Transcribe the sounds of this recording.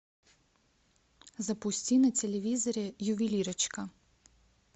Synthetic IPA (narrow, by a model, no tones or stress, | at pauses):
zɐpust̪ʲinɐt̪ʲɛlʲɛʋizɔɾʲɛjuʋilʲiɾɐt͡ʃkɐ